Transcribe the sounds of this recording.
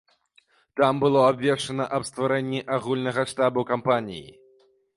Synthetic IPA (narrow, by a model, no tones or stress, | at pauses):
t̪ambɨlˠɔabvʲɛʂt͡ʂɐnɐʔɐbst̪vaɾɛnʲːiʔaɣulʲnɐɣɐʂt̪abukampanʲḭjḭ